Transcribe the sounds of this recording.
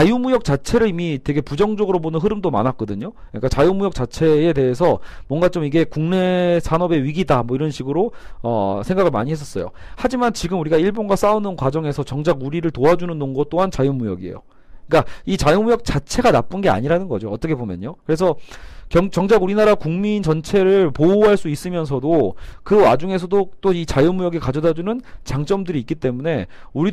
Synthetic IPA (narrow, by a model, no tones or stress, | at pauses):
t͡ɕajumujʌk̚t͡ɕ͈at͡ɕʰe̞ɾɯɾimite̞ɡe̞pud͡ʑʌŋd͡ʑʌɡɯɾobonɯnɦɯɾɯmdoma̰nɦak͈ʌdɯɲo | ik͈at͡ɕajumujʌk̚t͡ɕ͈at͡ɕʰe̞ete̞ɦesʰʌmwʌnɡat͡ɕ͈omiɡe̞kuŋne̞sʰanʌbe̞ɥiɡidamwʌiɾʌnɕʰiɡɯɾoʌsʰe̞ŋɡaɣɯɭma̰ɲiɦes͈ʌs͈ʌjo̰had͡ʑimant͡ɕiɡɯmuɾiɡaiɭbonɡwas͈aunɯnkwad͡ʑʌŋe̞sʰʌt͡ɕʌŋd͡ʑaɡuɾiɾɯɭtoad͡ʑunɯnːoŋɡʌt͈oɦant͡ɕajumujʌ̰ɡiḛjo̰ | k͈ait͡ɕajonmujʌk̚t͡ɕ͈at͡ɕʰe̞ɡanap͈ɯnɡe̞a̰ɲiɾanɯnɡʌd͡ʑoʌt͈ʌkʰe̞bomjʌ̰ɲokɯɾe̞sʰʌkjʌŋt͡ɕjʌŋd͡ʑaɡuɾinaɾakuŋmint͡ɕʌnt͡ɕʰe̞ɾɯɭpouɦaɭs͈uis͈ɯmjʌnsʰʌdokɯwad͡ʑuŋe̞s̬ʰʌdot͈oit͡ɕajonmujʌɡekad͡ʑʌdad͡ʑunɯnt͡ɕaŋt͡ɕ͈ʌmdɯɾiːk͈it͈e̞mune̞ | uɾi